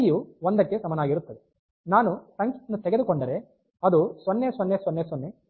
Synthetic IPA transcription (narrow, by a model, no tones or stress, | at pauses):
juʋond̪ɐkːe̞sɐmɐnaːɡiɾut̪ːɐd̪e | naːnusɐŋknut̪ɛɡeukoɳɖɐɾe | ɐd̪usɐnːesʋonːeːsʋɐnːeːsʋonːe